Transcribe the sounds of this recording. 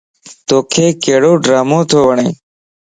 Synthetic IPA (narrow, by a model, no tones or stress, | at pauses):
t̪oːkʰeːkeːɽoːɖɾaːmõːt̪ʰoːʋəɳḛ̃ː